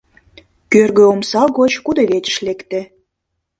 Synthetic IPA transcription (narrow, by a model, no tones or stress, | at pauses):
kørɣøomsɑɣot͡ɕkud̪eβet͡ɕə̥ʃlekt̪e